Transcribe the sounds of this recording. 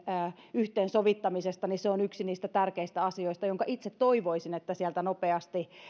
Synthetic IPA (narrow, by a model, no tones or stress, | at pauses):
əː | yht̪eːnsoʋit̪ːɑmisest̪ɑniseonyksiniːst̪æt̪ærkeist̪æɑsioist̪ɑjoŋkɑʔit̪set̪toiʋoisinet̪ːæsiælt̪ænopeɑst̪i